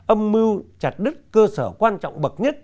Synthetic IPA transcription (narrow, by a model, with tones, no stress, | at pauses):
ʔə˧mːɨ˧wt͡ɕa˨˩t̚ɗɨ˦˥k̚kəː˧səː˧˩kwaː˧nt͡ɕɔ̰˧˨wŋ͡mɓə˨˩t̚ɲə˦˥t̚